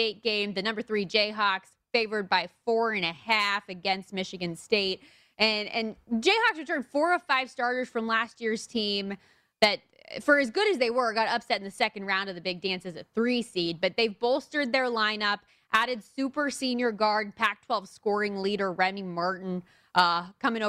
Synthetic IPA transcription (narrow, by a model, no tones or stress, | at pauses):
teɪt̚ɡ̥ẽɪ̃mðɨnʌ̃mbə˞θɹid͡ʒeɪɦɑks | feɪvə˞d̚baɪfɔɹɨ̃ñɨhæfɨɡɛ̃nst̚mɪʃɨɡɨ̃nsteɪt̚ | ɨ̃nɨ̰̃nd͡ʒeɪhɑksɹɨtʰɜ̃˞nd̥fɔɹʌvfaɪv̥stɑɹɾə˞z̥fɹʌ̃mlæst̚jɪɹz̥tʰĩm | ðɨt̚ | fə˞ɨzɡʊɾɨzðeɪwə˞ɡɑɾʌpsɛɾ̃n̩ðɨsɛkɨ̃nd̚ɹãʊ̃ndʌvðɨbɪɡ̚dæ̃nsɨzɨθɹisid̚bʌt̪̚ðeɪvboʊlˠstə˞d̪̚ðə˞lãɪ̃nʌp | ʔæɾɨdsʉpə˞sĩnjə˞ɡɑɹd̚pʰæk̚tʰw̥ɛlˠv̥skɔɹɪ̃ŋliɾə˞ɹɛmimɑɹʔn̩ | ʔʌkʰʌ̃mɪ̃ŋ